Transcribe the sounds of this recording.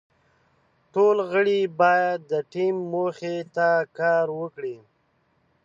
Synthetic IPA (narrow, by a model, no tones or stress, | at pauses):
ʈolɣəɽibɑjad̪ːəʈimːoxet̪akɑːɾwəkɽi